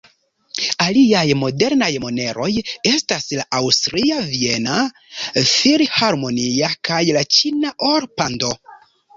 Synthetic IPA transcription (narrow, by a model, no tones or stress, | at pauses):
aliajmo̞de̞ɾnajmo̞ne̞ɾo̞je̞staslaʔawstɾiavie̞na | fiɾhaɾmo̞niakʰajlat͡ʃinaʔoɾpando̞